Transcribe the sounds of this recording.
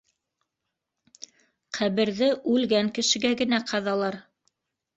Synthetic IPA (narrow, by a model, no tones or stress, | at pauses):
qʰæβɘ̆ɾðɘʔʉlɡæŋkɘ̆ʃɘ̆ɡæɡɘ̆næqʰɑðɑlˠɑɾ